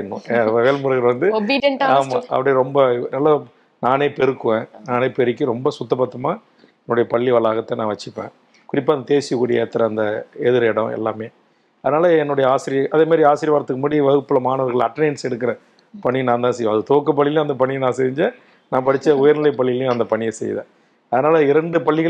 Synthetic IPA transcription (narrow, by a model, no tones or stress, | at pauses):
ɪnːʊ̰̃ʋeːlmʊɾɐɣɪlʋɐnd̪ɯbiɐaːmãɐ̰pːɐɽɐjɾɔmbɐnɐlːɐ | naːneːpɛɾɯkːɯʋẽːnaːneːpɛɾɯkːɯɾɔmbɐsʊt̪ːɐpɐt̪ːɐmaː | ɛnːʊɽɐjɐpɐɭːiʋɐlaːɣɐt̪ːenãːʋɐt͡ʃːɪpːḛ̃ː | kʊɾɪpːaːɐnd̪ɐt̪eːsɪkːuːɽɪjɐːt̪ːɐɾɐnd̪ɐɛðɯɾɛɽɐ̃ɛ̰lːaːmeː | ɐðɐnaːlɐɛnːʊɽɐjɐaːsɪɾɪjɐʔɐðeːmaːɾɾiaːsɪɾɪʋaːɾɐt̪ːɯkːɯmɐːɽiʋɐɣɯpːɯlɐmaːnɐʋɐɾɣɐɭɐ̰ʈːɐnɐɪnsɛɽɯk̬ːɪɾɐ | pɐɳinãːnt̪ãːsɛjõɐðɯt̪oːkːɐpɐɭːɪl̃ːɐnd̪ɐpɐɳːinãːsɛɲd͡ʒɐ | nãːpɐɽɪt͡ʃːɐʊjɐɾnɪlɐɪpɐɭːɪlj̃ɐnd̪ɐpɐɳɪjɐsɛ̰j̰ːðḛ̃ː | ɐðɐnaːlɐɪɾɐɳɖɯpɐɭːɪɣɐ